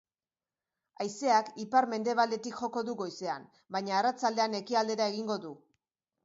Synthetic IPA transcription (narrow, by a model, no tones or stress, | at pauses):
ajse̞akipaɾme̞nd̪e̞βald̪e̞t̪ikʝo̞ko̞ðuɣo̞jse̞am | bajɲaːrat͡sald̪e̞ane̞kiald̪e̞ɾae̞ɣiŋɡo̞ðu